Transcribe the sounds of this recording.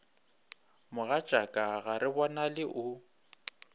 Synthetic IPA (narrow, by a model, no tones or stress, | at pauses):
mʊɣat͡ʃʼakʼaɣaɾɪbɔnalɪʔʊ